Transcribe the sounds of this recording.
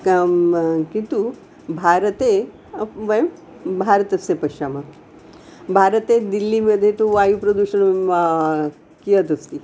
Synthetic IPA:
kint̪u | bʱaːɾɐt̪e | ʋɐjm | bʱaːɾɐt̪ɐsepɐʃaːmɐ | bʱaːɾət̪ed̪ilːiməd̪ʱːet̪uʋaːjupɾɐd̪uʃɐn | kijɐt̪ɐst̪i

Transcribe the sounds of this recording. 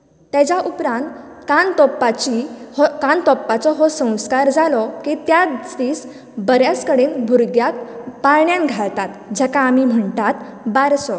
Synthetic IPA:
t̪ɛd͡ʑaʔupɾãnt̪kant̪ɔpːat͡ɕikant̪ɔpːat͡sɔɦɔsə̃w̃skaɾd͡zalɔkit̪jad͡ziːs | bəɾjat͡skəɽiːnbʱuɾɡjat̪̚paɾɳjãnɡʱaɭt̪at̪d͡ʑɛkaːmiːm̤əɳt̪at̪ | baɾsɔ

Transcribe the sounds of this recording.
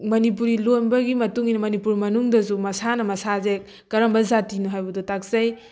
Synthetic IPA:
mɐnip̬uɾilojnbɐɡimɐtuŋinɐmɐnipuɾmɐnuŋdɐzumɐsanɐmɐsazek̚ | kɐɾɐmbɐzatinuɦajbɐdutak̚zaj

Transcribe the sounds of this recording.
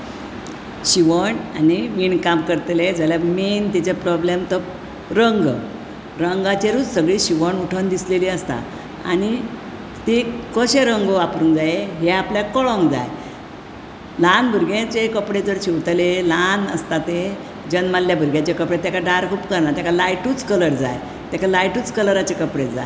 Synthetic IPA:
ɕiʋəɳa̰niʋiɳkamkəɾt̪led͡zaljament̪it͡ɕepɾɔblemt̪ə | ɾəŋɡ | ɾəŋɡat͡ɕeɾuːd͡zsəɡɭiːɕiʋəɳuʈʰənd̪isleliəst̪a̰ | a̰ñi | t̪ekəɕeɾəŋɡoʋapɾũːŋɡd͡zaeɦeapljakɔɭɔ̃ŋɡd͡za̰j | lãnbʱuɾɡãt͡ɕekəpɽed͡zəɾt͡ɕʰiʋt̪lelanə̰st̪at̪e | d͡ʑənmalljabʱuɾɡãt͡ɕekəpɽet̪ːakaɖaɾkʰuːpkəɾnat̪akʰalajʈut͡skələɾd͡za̰j | t̪jakalajʈuːt͡skələɾat͡ɕekəpɽed͡za̰j

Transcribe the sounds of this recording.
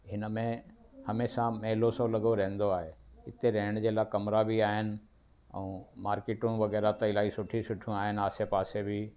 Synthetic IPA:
ɦɪnəmẽ | hɐmeːsãmɐɦɪlosolɐɡoɾɐ̃ɦɪ̃n̆d̪oaːɦeɪt̪eɾeɦɪɽ̃d͡ʑeːlakɐmɾabiaːɦɪnɪ̆ | ɛ̰̃ːmaːɾkeːʈʊnʋɐɣɛːɾat̪ɐɪlaːisʊʈʰisʊʈʰijũaːɦɪnɪ̆aːsepaːsebi

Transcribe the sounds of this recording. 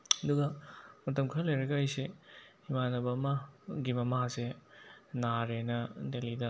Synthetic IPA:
ɐduɡɐmɐtɐmkʰɐɾlɐjɾɐɡɐajsehimanɐbɐːmaɡimɐmase | naɾenɐdelidɐ

